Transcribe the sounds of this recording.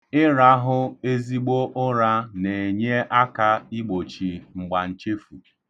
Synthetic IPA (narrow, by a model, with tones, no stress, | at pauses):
ɪ˦ɾa˦ɦʊ˦e˦zi˦ɡ͡bo˦ʔʊ˦ɾa˦ne˨ɲe˦ʔa˦ka˦i˦ɡ͡bo˨t͡ʃi˨ŋ͡m̩˨ɡ͡ba˨n̩˨t͡ʃe˦fu˨